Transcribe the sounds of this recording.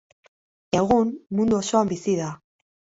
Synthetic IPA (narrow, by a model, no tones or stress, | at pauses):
e̞ɣunmund̪uoso̞ambisiða